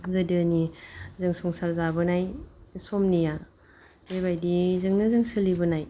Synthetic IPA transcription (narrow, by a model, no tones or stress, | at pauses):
zɯdɯnizɯŋsɔŋsaɾzabɯnajsɔmnija | d̥eβajdizɯŋnɯzɯŋsɯlibɯnaj